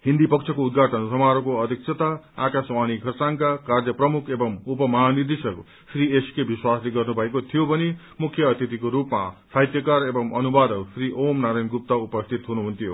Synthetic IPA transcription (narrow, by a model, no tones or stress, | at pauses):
ɦind̪ipʌkt͡sʰʌkoud̪̚ɡʱaʈʌnsʌmaɾokoʌd̪ʱik̚t͡sʰʌt̪aa̰kaswañikʰʌrsaŋkakard͡zʌprʌmukʰebʌmupʌmʌɦanid̪isʌk | srieskebiswasleɡʌrnubʱʌekot̪ʰijobʱʌne | mukʰjʌːt̪ʰit̪ikoɾupma̰sajt̪jʌkaɾebʌmʌnubad̪ʌsriʔomnaɾajnɡup̚t̪aupʌst̪ʰit̪ɦunuɦunt̪ʰijo̰